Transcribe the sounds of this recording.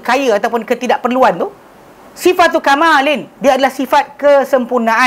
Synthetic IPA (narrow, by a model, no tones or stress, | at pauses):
kajəat̪awpʊnkət̪idaʔpərluant̪u | sifat̪ːukamãlɪndiaːdalahsifat̪̚kəsəmpurnãa